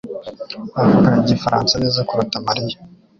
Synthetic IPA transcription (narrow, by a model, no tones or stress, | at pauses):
wahakaɾaɟifaɾaːnsaneːzakuɾutamaɾija